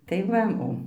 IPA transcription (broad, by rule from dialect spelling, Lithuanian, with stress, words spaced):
tɐɪ ˈʋɐ ˈoː